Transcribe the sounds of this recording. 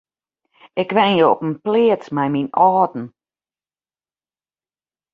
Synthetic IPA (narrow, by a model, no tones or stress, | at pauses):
ɪkʋɛnjoɔpənplɪːət͡smɛjminɔːdn̩